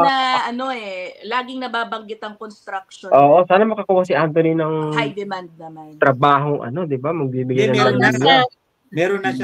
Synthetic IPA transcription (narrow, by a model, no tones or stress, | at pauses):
ɐʔɐno̞ɛlaːɡɪŋnɐbaːbɐŋɡɪt̪ɐŋkonst̪ɾɐk̚ʃoʔoːʔosaːnɐmɐkɐkuːhɐs̬ɪʔant̪oninɐŋhjd̪ɛmand̪̚nɐmant̪ɾɐbaːɦoŋʔɐ̰no̞d̪ɪbamɐɡ̚biːbɪɡajnɐamɐnja | mɛɾonɐ